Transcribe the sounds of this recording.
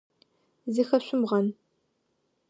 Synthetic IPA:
zixɐɕʷʼʊmʁɐn

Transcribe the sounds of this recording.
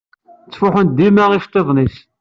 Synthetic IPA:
t͡sːfʊħənd̪imæʁiʃt̪ˤːeðˤnis

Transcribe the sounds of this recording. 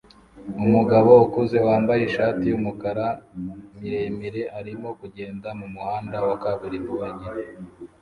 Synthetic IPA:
umuɡaβo̞ukuze̞waːmbajeʃaːtijumukaɾamiɾemiɾe̞ʔaɾimo̞kuɟe̞ːndamumuhaːndawakaβuɾimuβaɲe

